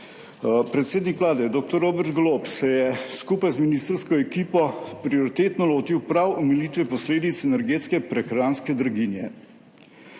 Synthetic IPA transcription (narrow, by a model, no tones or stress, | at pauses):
pɾɛt̪seːd̪nikʋlaːd̪ɛd̪oːk̚t̪ɔɾːoːbɛɾt̪ɡlopsɛjɛskupajzminist̪ɾskɔɛkiːpɔpɾioɾit̪eːt̪nɔloːt̪iwpɾawɔmɛliːt̪ʋɛpɔsleːd̪it̪sɛnɛɾɡeːt̪skɛpɾɛxɾaːnskɛd̪ɾaɡinjɛ